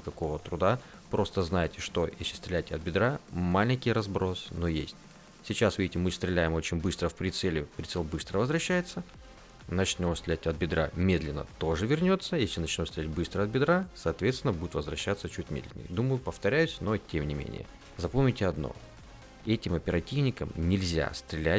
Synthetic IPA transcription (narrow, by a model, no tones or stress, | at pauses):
ɪkɐko̞vət̪ɾʊd̪a | pɾo̞st̪əznajɪtʲɪʂt̪o̞jḛsʲlʲɪst̪ɾʲɪlʲætʲɐt̪̚bʲɪd̪ɾamalʲɪnʲkʲɪjɾɐzbɾo̞snojḛsʲtʲ | sʲɪt͡ɕasvʲidʲɪtʲɪmɨst̪ɾʲɪlʲæjɪmo̞t͡ɕɪnʲbɨst̪ɾəfpɾʲɪt̪sɛlʲɪpɾʲɪt̪sɛlʲbɨst̪ɾəvəzvɾɐɕːæjɪt̪sːə | nɐt͡ɕnʲomst̪ɾɪlʲætʲɐt̪̚bʲɪd̪ɾamʲe̞d̪lʲɪnːə̰t̪oʐɨvʲɪrnʲo̞t̪səjesʲlʲɪnɐt͡ɕnʲomst̪ɾʲɪlʲæt̪̚ʲbɨst̪ɾəɐt̪̚bʲɪd̪ɾasɐːt̪vʲet̪sʲɪnəbudʲɪt̪vəzvɾɐɕːat̪sət͡ɕutʲmʲed̪lʲɪ̰nʲɪ̰jd̪uməjʊpəft̪ɐɾʲæjʉsʲno̞tʲemnʲɪmʲḛnʲɪ̰jə̰ | zɐpomʲɪtʲɪɐd̪no̞̰ | ɛtʲɪmɐpʲɪɾɐtʲivnʲɪkəmnʲɪlʲzʲa̰st̪ɾʲɪlʲæt̚ʲ